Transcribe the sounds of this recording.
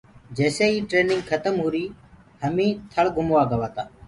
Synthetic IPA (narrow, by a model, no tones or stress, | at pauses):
d͡ʒeːseːiːʈɾeːnɪŋɡkʰət̪əmɦuːɾiː | həmĩːt̪ʰəɭɡʊmʋaːɡəʋaːt̪aː